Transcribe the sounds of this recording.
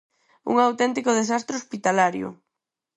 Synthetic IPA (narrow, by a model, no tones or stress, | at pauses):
ṵŋawt̪ɛnt̪ikoðesast̪ɾeospit̪alaɾjʊ̰